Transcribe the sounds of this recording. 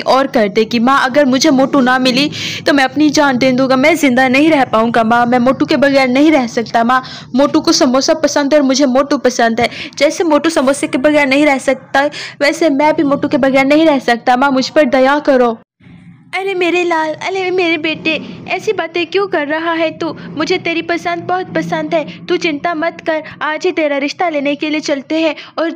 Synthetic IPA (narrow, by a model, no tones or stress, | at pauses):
ʔɔːɾkɐɾt̪ekimãɐɡəɾmʊd͡ʒʱemoːʈunɐmɪlit̪omɛ̃ɐpnid͡ʒaːnd̪ẽːnd̪ũɡamɛ̃ːzɪ̃nd̪anɐɦĩɾɛɦpaːũːŋɡamãːmɛ̃moːʈũkebɐɣɛːɾnɐɦĩɾɛɦsɐk̚t̪aɦmã | moːʈũkosɐmɔːsapɐsə̃nd̪ʱɔːɾmʊd͡ʒʱemoːʈupɐsə̃nd̪ɦɛːd͡ʒɛːsemoːʈusɐmɔːsakebɐɣɛːɾnɐɦĩɾɛɦsɐk̚t̪aɦɛʋɛːsemɛ̃ːbʱimoːʈũkebɐɣɛːɾnɐɦĩɾɛɦsɐk̚t̪amãːmʊd͡ʒʱpɐɾd̪ɐjakɐɾoː | ɐlemeːɾelaːlɐlemeːɾebeːʈeɛːsibaːt̪ẽkjũːkɐɾːɐɦaɦɛ̃t̪uːmʊd͡ʒʱet̪eːɾipɐsə̃nd̪̚bɐɦʊt̪̚pɐsə̃nd̪ɦɛːt̪uːt͡ʃɪ̃nt̪amɐt̪kɐɾaːd͡ʒit̪eːɾaɾɪʃt̪aleːnekeliet͡ʃɐlt̪eɦɛ̃ɔːɾ